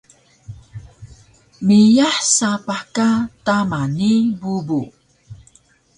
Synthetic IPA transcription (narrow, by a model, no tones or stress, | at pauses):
mijaħsapaħkatamanibubu